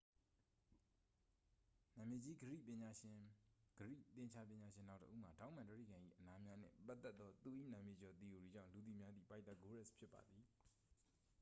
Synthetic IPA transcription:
nã˨mje˨d͡ʑi˦ɡəɹḭ˦˨pɪ̃˨ɲa˨ | ɡəɹḭ˦˨t̪ɪ̃˨ɲt͡ɕʰa˦pjɪ̃˨ɲa˨ʃɪ̃˨n̥ã˦˨tə̰˦ʔu˦m̥a˨tã˦˨mã˨ntə˦ɹḭ˦˨ɡã˨ʔḭ˦ʔəna˦mja˦n̥ɪ̰̃˦˨pa˦ʔt̪ːɛ˦t̪ːɔ˦t̪u˨ʔḭ˦˨nã˨mje˨d͡ʑɔ˨t̪i˨ju˨ɹi˨d͡ʑã̰˦˨lu˨t̪i˨mja˦d̪ðḭ˦˨pa˦t̪a˦˨ɡo˦ɹɛ˦˨spʰjɪ˦pːa̰˨d̪i˨

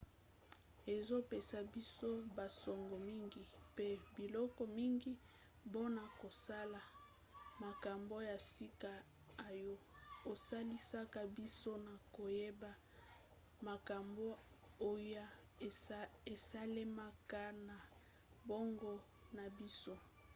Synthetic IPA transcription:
e˨zo˦pe˨sa˨bi˦so˦ba˨sɔ˨ŋɡo˨mi˦ŋɡi˦pe˦bi˨lɔ˦kɔ˨mi˦ŋɡi˦ | bo˦na˨ko˨sa˦la˨ | ma˨ka˨mbo˦ja˨si˦ka˦ | a˨jo˦o˨sa˦li˦sa˦ka˦bi˦so˦na˨ko˨je˦ba˦ | ma˨ka˨mbo˦ | o˨ja˦˨ | e˨sa˦le˦ma˦ka˦na˨ | bo˦ŋɡɔ˦ | na˨bi˦so˦

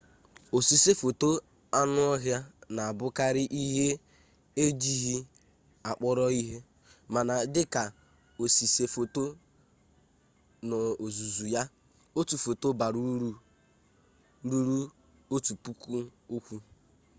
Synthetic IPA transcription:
o˨si˨se˦fo˨to˦ | a˦nʊ˦ɔ˦ɦja˦na˨a˨bʊ˦ka˦ɾɪ˦ʔi˦ɦe˦ | e˦d͡ʒi˦ɦi˦ | a˨k͡pɔ˦ɾɔ˦i˦ɦe˦ | ma˨na˨dɪ˦ka˨ | o˨si˨se˨fo˨to˦ | nɔ˨o˨zu˨zu˨ja˦ | o˦tu˨fo˨to˦ba˨ɾu˦ɾu˦ɾu˦ | ɾu˦ɾu˦ | o˦tu˨pu˦ku˦o˦kʷu˦

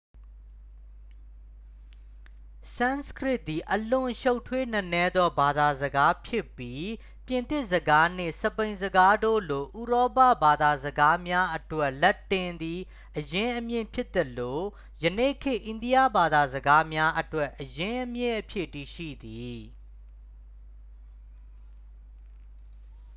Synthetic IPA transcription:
sã˦nskɹɪ˦t̪̚ːi˨ʔəlʊ̃˨ʃo˦ʊtʰwe˦n̥ə˦nɛ˦d̪ɔ˦ba˨d̪a˨zəɡa˦pʰjɪ˦pːji˦ | pjɪ̃˨nt̪ɪ˦ʔszəɡa˦n̥ɪ̰̃˦˨sə˨pẽ˨ɪ̃zəɡa˦do̰˦˨lo˨ʔu˨ɹɔ˦pa̰˦˨ba˨d̪a˨zəɡa˦mja˦ʔətwɛ˦˨ʔlɛ˦tːɪ̃˨nd̪i˨ | ʔəjɪ̃˦ʔəmjɪ̰̃˦˨pʰjɪ˦t̪ːə˨lo˨ | jə˨nḛ˦˨kʰɪ̃˦˨ʔẽ˨ndi˦ja˦˨ba˨d̪a˨zəɡa˦mja˦ʔətwɛ˦ʔəjɪ̃˦ʔəmjɪ̃˦˨ʔəpʰjɪ˦ʔti˨ʃḭ˦˨d̪i˨

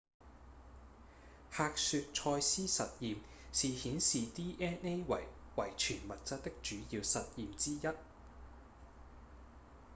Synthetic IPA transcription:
haː˧k̚syː˨˧t̚t͡ʃʰɔː˧jsiː˥sɐ̰˨t̚jiː˨m | siː˨hiː˨˥nsiː˨t̪iː˥ʔɛː˥ne˥jwɐ˨˩jwɐ˨˩jt͡ʃʰyː˨˩nmɐ˨t̚t͡sɐ˥t̚t̪ɪ˥k̚t͡ʃyː˨˥jiː˧wsɐ˨t̚jiː˨mt͡siː˥jɐ˥t̚

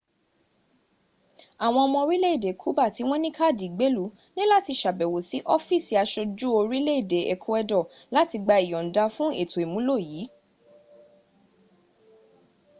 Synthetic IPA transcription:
a˨w̃ɔ̃˧ɔ˧mɔ̃˧o˧ɾi˦le˦i˦˨de˨kʰu˦ba˦˨ti˨˦w̃ɔ̃˦nĩ˦ka˦˨di˨ɡ͡be˨˦lu˨˦ | nĩ˦la˦˨ti˧ʃa˨bɛ˨wo˨si˨˦ʔɔ˦fi˦˨si˨a˧ʃo˧d͡ʒu˦o˧ɾi˦le˦i˦˨de˨˦e˨kʰu˦ɛ˧dɔ˦˨ | la˨˦ti˧ɡ͡ba˧i˨jɔ̃˨n̩˨da˧fũ˦e˦˨tʰo˨e˨mũ˨˦lo˦˨ji˨˦

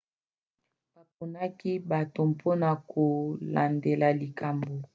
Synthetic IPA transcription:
b̥a˨p̚o˨na˦ki˦ba˨to˨m˨pʰo˦na˨ko˨la̰˨nde˨la˨li˨kʰa˨mbo˨

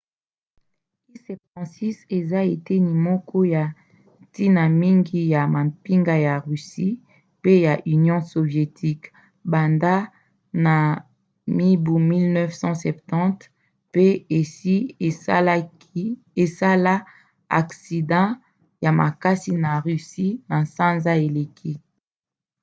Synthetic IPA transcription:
i˦sɛ˨p̚tɑ̃˨si˦se˨za˦e˨te˦ni˨mɔ˦kɔ˦ja˨ | ti˦na˨mi˦ŋɡi˦ja˨ma˨pi˦ŋɡa˦ja˨ʁy˨si˦ | pe˦ja˨ʔy˨njɔ̃˦so˨vje˨tʰi˦k | ba˨nda˦ | na˨ | mi˦bu˨mi˦lnɛ˦fsɑ̃˦sɛ˨p̚tɑ̃˦t | pe˦e˨si˦˨l | e˨sa˦la˦ | a̰˨ksi˨dɑ̃˦ | ja˨ma̰˨ka˦si˨na˨ʁy˨si˦na˨sã˦nza˦e˨le˨kʰi˦

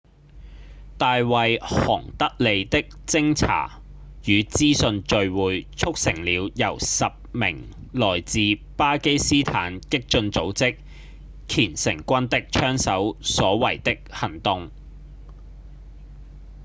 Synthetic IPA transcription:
t̪aː˨˧jwɐ˨jhɔ̰ː˨˩ŋt̪ɐ˥k̚le˨˧jt̪ɪ˥k̚t͡sɪ˥ŋt͡sʰa̰ː˨˩ | jyː˨˧t͡siː˥sɵ˧nt͡ʃɵ˨˧ɥwuː˨˧jt͡ʃʰʊ˥k̚sɪ˨˩ŋliː˨˧wjɐ˨˩wsɐ˨p̚mɪ˨˩ŋ | lɔː˨˩jt͡siː˨paː˥ke˥jsiː˥t̪ʰa̰ː˨˥nkɪ˥k̚t͡ʃɵ˧nt͡so˨˥wt͡sɪ˥k̚ | kʰiː˨˩nsɪ̰˨˩ŋkʷɐ˥nt̪ɪ˥k̚t͡ʃʰœː˥ŋsɐ˨˥wsɔː˨˥wɐ˨˩jt̪ɪ˥k̚hɐ˨˩ŋt̪ʊ˨˧ŋ

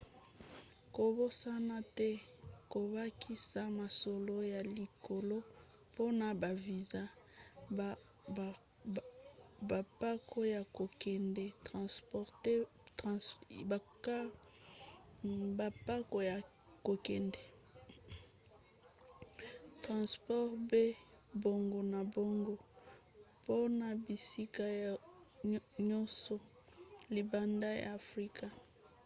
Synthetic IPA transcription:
ko˨bo˦sa˦na˦tɛ˦ko˨βa˦kʰi˦sa˦ma˨so˨lo˦ja˨li˨ko˨lo˦ | po˦na˨ba˨vi˨za˦˨ | ba˨pa˦ko˦ja˨ko˨kɛ˨ndɛ˦tʁã˨spɔ˨ʁte˦ | tba˨ka˦ | ba˨pa˦ko˨ja˨ | ko˨kɛ˨ndɛ˨ | tʁã˨spɔ˦ʁbe˦ | bo˨ŋɡo˨na˨bo˦ŋɡo˦ | po˦na˨bi˨si˦ka˦j | ɲɔ˦sɔ˨ | li˨ba˨nda˦ja̰ː˨fʁi˦ka˨

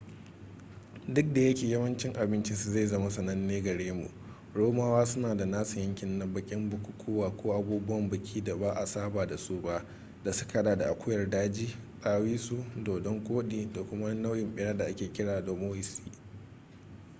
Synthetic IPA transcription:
dʊ˦k̚da˨jɐ˦kʲeː˨jɐ˦mɐ˦nt͡ʃɪ˦ŋʔa˨bɪ˦nt͡ʃi˦su˨za˦˨jzɐ˦ma˦sɐ˨nɐ˦nːeː˦ɡɐ˨ɽeː˦mṵ˨ʔ | ɽoː˦maː˦waː˦sʊ˦naː˨da˨naː˦su˨jɐ˦ŋkʲɪ˨nːɐ˦bɐ˦kʲʼɪ˦mbʊ˨kʷʊ˨kʷʰuː˦waː˨kʷoː˦ʔa˨buː˦bʊ˦wɐ˨mbɐ˨kʲʰiː˦da˨baː˦ʔa˨saː˦baː˨da˨su˦ba˦ʔ | da˨sʊ̥˦ka˨˦ɗaː˨da˨ʔa˨kʷʰʊ˦jɐ˨rdaː˦d͡ʒiː˦sʼaː˦wiː˦su˨doː˨dɔ˦ŋkʷʼoː˦ɗiː˨da˨kʷʊ˦ma˦na˦wjɪ˨mɓɪ˦ja˦da˨ʔa˦kʲeː˨kʲɪ˦ɽaː˨do˨moː˦jɪ˨sḭː˦

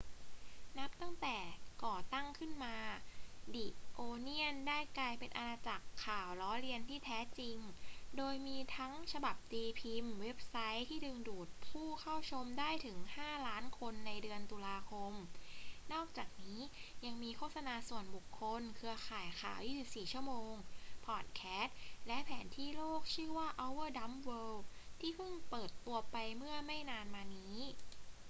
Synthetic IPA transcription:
na˦˥p̚t̪a˥˩ŋt̪ɛː˨˩kɔː˨˩t̪a˥˩ŋkʰɯ˥˩nmaː˧di˨˩ʔoː˧ni˥˩əndaː˥˩jklaː˧jpe˧nʔa˧naː˧t͡ɕa˨˩kʰːaː˨˩wlɔː˦˥ɾi˧ənt̪ʰiː˥˩t̪ʰɛː˦˥t͡ɕi˧ŋdoː˧jmiː˧t̪ʰa˦˥ŋt͡ɕʰa˧ba˨˩p̚t̪iː˧pʰi˧mwe˦˥p̚sa˦˥jt̪ʰiː˥˩dɯ˧ŋduː˨˩t̪̚pʰuː˥˩kʰa˥˩wt͡ɕʰo˧mdaː˥˩jt̪ʰɯ˩˦ŋhaː˥˩laː˦˥nkʰo˧nːa˧jdɯ˧ənt̪uː˧laː˧kʰo˧mnɔː˥˩k̚t͡ɕaː˨˩k̚niː˦˥ja˧ŋmiː˧kʰoː˥˩t̪̚sa˧naː˧su˨˩ənbu˨˩kʰːo˧nkʰɯ˧ɐxʰaː˨˩jxʰaː˨˩˦wjiː˥˩si˨˩p̚siː˨˩t͡ɕʰu˥˩əmoː˧ŋpʰɔː˨˩t̪̚kʰɛː˦˥t̪̚lɛ˦˥ʔpʰɛː˩˦nt̪ʰiː˥˩loː˥˩k̚t͡ɕʰɯː˥˩waː˥˩ʔa˦˥wɤː˥˩da˦˥mwɤː˧˥t̪ʰiː˥˩pʰɯ˥˩ŋpɤː˨˩t̪̚ːu˧ɐpa˧jmɯ˥˩ɐma˥˩jnaː˧nmaː˧niː˦˥

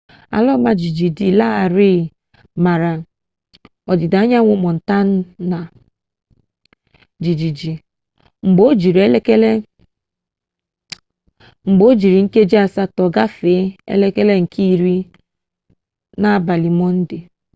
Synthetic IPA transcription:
a̰˨lɔ˦ma˦d͡ʒi˨d͡ʒi˨di˨la˦a˨ɾi˦˨ | ma˨ɾa˨ | ɔ˨dɪ˨da˨˦ɲa˦ŋʷʊ˨mɔ˨n̩˨ta˦n̩˦na˨ | d͡ʒi˨d͡ʒi˨d͡ʒi˨ | ŋ͡m̩˨ɡ͡bo˦d͡ʒi˨ɾe˦le˦ke˦le˦ | ŋ͡m̩˨ɡ͡bo˦d͡ʒi˨ɾi˨ŋ̩˦ke˦d͡ʒi˦a˨sa˦tɔ˨ɡa˦fe˨˦ḛ˦le˦ke˦le˦ŋ̩˨kʰi˦˨ɾi˦ | na˦˨ba˨li˨mɔ˦n̩˦dɪ˨

